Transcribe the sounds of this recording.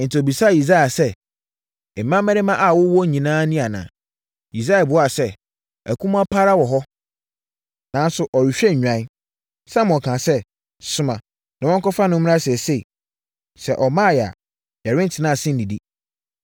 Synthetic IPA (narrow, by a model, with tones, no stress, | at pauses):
n̩˨tʰɪ˨ɔ˨bi˨sa˦˨i˨s̬a˦ɛ˨sɛ˦˨ | mã˦mɛ̃˦ɾɪ˦mã˦ʔa˨wʊ˦wɔ˦˨ɲĩ˨nãː˦nĩ˦a˨nã̰ː˨ | i˨s̬a˦ɛ˨bʊ˨˦a˦˨sɛ˦ | æ˨kʰũ˦m̃˦a˦pʰa˦ɾa˦wɔ˨ɦɔ˦ | nã˨˦n˦sʊ˦ʔɔ˨ɥi˨ɕᶣɛ˦ɲ̩ᶣ˨ã˦i˦ | sã˦m̃˨ɔ˨kʰã˨sɛ˦ | sʊ˨mã˨ | nã˨wɔ̃˦ŋ˦kɔ˦fa˦nʊ̃˦m˦mɪ̃˦ã˦sɛ˨se˦˨i˨ | sɛ˨ʔɔ˨mã˦˨jɛ˨a̰˨ | jɛ˨ɾɪ̃˦n̩˦tʰɪ˨nã˦˨sɪ̃˦n̩˨di˨di˦